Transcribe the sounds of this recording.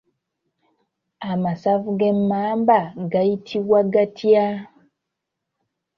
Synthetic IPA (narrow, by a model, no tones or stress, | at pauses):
amasavɡɛmambaɡaitʰiwaɡatʰia